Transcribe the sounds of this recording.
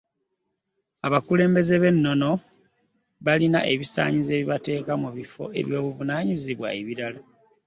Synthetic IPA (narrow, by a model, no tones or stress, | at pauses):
aβakule̞ːmbe̞ze̞βe̞nːo̞no̞ | βalina̰ʔe̞βisa̰ːɲize̞ːβiβate̞ːkamuβifo̞̰ʔe̞̰βjo̞ːβuvunaːɲiziβwa̰eβiɾala